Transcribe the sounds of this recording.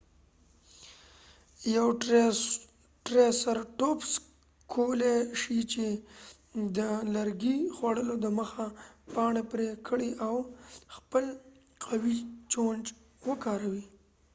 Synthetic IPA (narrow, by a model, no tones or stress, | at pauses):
jaw | ʈɾesaɾʈops | kʰoleʃit͡ʃe | d̪əlaɾɡixwaɽəlod̪əməxapɑɳepɾekʰəɽiʔawxpəl | qawit͡ʃond͡ʒ | wəkɑɾawi